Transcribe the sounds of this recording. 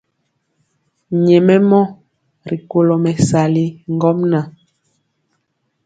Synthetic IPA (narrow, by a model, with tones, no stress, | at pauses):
ɲɛ˨mɛ˦mɔ˦ | ɾi˨ko˨lo˨mɛ˨sa˨li˦ŋɡɔ˦mna˨